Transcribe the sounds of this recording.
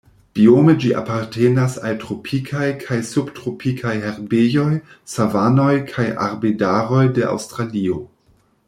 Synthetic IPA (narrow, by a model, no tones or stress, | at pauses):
b̥iomed͡ʒiʔa̰paɾtʰenasaltɾo̞pʰikʰajkʰajsubtɾopʰikʰajheɾbejo̞jsavano̞jkʰaja̰ɾbedaɾo̞jde̞ʔa̰wstɾalio̞